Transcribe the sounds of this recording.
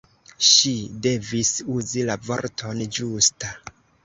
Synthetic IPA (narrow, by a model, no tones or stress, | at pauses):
ʃide̞visuzilavo̞̰ɾtʰo̞nd͡ʒusta